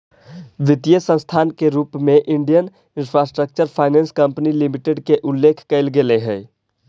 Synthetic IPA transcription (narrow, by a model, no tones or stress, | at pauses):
ʋɪt̪ijəsə̃st̪ʰaːnkeɾuːpmẽʔɪɳɖijən | ɪnpʰɾasʈɾək̚t͡ʃəɾpʰaːɪnenskəmpnilimiʈeɖkeʔʊlːekʰkəɪlɡeleɦɛː